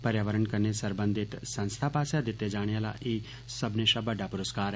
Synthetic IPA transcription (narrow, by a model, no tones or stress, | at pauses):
pəɾjaːʋəɾəɳkəɾnesəɾbə̃nd̪ɪt̪sə̃nst̪ʰaːpaːsad̪ɪt̪ːed͡ʒaːɽ̃eaːla̰ʔeː | səbneʃabəɖaːpʊɾəskaːɾ